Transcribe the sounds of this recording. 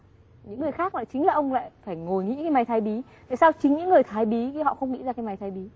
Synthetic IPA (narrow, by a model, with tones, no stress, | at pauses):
ɲɨ̰˧˥ŋːɨ˨˩əjxaː˦˥k̚laː˨˩t͡ɕï˨˦ŋ̟laː˨˩ʔə˧wŋ͡mla̰ː˧˨jfaː˧˩jŋo˨˩jŋḭ˧˥kaː˨˦jma˨˩jt̪ʰaː˧˩jɓi˨˦t̪a̰ː˧˨saː˧wt͡ɕï˨˦ŋɲɨ̰˧˥ŋːɨ˨˩əjt̪ʰaː˨˩jɓi˨˦˨hɔ̰˧˨xə˧wŋ͡mŋḭ˧˥zaː˧kaː˨˦jma˨˩jt̪ʰːjɓi˨˦